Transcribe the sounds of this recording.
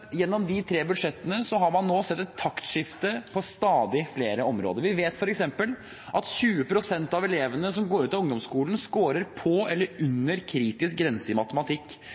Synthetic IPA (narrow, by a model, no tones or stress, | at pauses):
jɛnːɔmd̪ɪt̪ʰɾeːbʉd̪ʂɛt̪ːənəsɔɦɑɾmɑnːoːsɛt̪ːɛt̪ʰːɑkt̪ʂɪft̪əpʰɔst̪ɑːd̪ɪfleːɾəɔmɾo̰ːd̪əɾʋɪʋeːt̪fɔɾɛksɛmpəl | ʔɑt̪çʉːəpʰɾʊsɛnt̪ɑʋɛleːʋənəsɔmɡoːɾʉːt̪ɑʊŋd̪ɔmskuːln̩skoːɾəɾpʰɔɛlːəɾʉnːəɾkʰɾiːt̪ɪsk̚ɡɾɛnsəɪmɑt̪əmɑt̪ʰɪkː